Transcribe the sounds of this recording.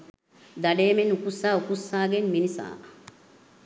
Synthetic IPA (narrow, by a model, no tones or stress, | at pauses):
d̪ɐɖeːmenukusːaːukusːaːɡenminisa̰ː